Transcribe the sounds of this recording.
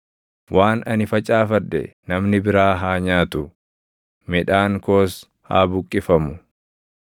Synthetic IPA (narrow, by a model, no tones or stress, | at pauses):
wʔaːnɐnɪfɐt͡ʃʼaːfɐdɛ̰nɐmnɪbɪɾaːɦaːɲaːt̪ʊ | mɪᶑaːŋkoːs | ha̰ːbʊkʼːɪfɐmʊ